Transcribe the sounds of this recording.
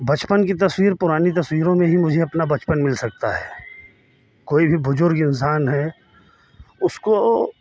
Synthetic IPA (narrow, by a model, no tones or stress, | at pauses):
bɐt͡ʃpənkit̪ɐswiːɾpʊɾaːnit̪̬ɐswiːɾõmẽɦimʊd͡ʒʱeɐpnabɐt͡ʃpənmɪlsɐk̚t̪a̰ɦɛ̰ː | koːibʱibʊzʊɾɡɪ̃nsaːnɦɛː | ʊsko